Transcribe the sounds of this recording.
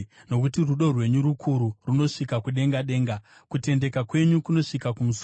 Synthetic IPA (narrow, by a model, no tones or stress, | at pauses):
no̞k̬utiruɗo̞rwe̞ɲuɾukʰuɾuruno̞ʂikakuɗe̞ŋɡaɗe̞ːŋɡa | kute̞nde̞kakwe̞ɲukuno̞ʂikakumus